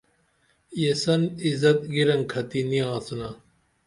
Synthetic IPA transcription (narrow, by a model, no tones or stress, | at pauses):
jesɐnizɐt̪̚ɡiɾɐŋkʰɐt̪iniãːsunɐ